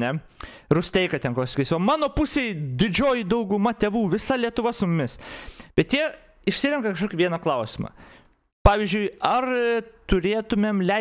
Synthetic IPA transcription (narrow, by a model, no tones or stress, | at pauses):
nʲɛ | rʊsʲt̪ʲɛɪkɐt̪ʲɛnkoːkskʲisʋɐmɑːnoːpʊsʲeɪd̪ʲɪd͡ʒʲoːjɪd̪ɐʊɡʊmɐt̪ʲeːʋuːʋʲɪsɐlʲiɛt̪ʊʋɐsʊmʊmʲɪsb̥ʲɛt̪jʲiɛ | ɪʃʲsʲɪɾʲɛŋkɐkɐʃkoːkʲɪʋʲiɛnɐklˠɐʊsʲɪmɑ̰ː | pɑːʋʲizʲd͡ʒʲʊɪɐrt̪ʊɾʲeːt̪ʊmʲemlʲɛ